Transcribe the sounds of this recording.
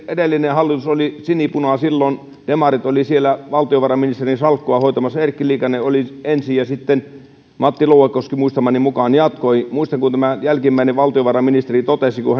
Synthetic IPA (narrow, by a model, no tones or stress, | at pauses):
edelːinehɑlːit̪usolisinipunɑsilːon | d̥emɑrit̪olisielæʋɑlt̪ioʋɑrɑminist̪erinsɑlkːoɑhoit̪ɑmɑsːɑerkːiliːkɑneoliensijɑsit̪ːen | mɑt̪ːilouwekːˑoskimuist̪ɑmɑnimukɑːnjɑt̪koimuist̪ɑŋkunt̪æmæjælkimːæineʋʋɑlt̪ioʋɑrɑminist̪erit̪ot̪esikuhæ